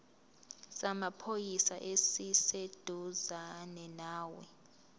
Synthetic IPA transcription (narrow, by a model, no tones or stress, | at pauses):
samapʰojisaʔesised̥ʱuzanɛnaːwɛ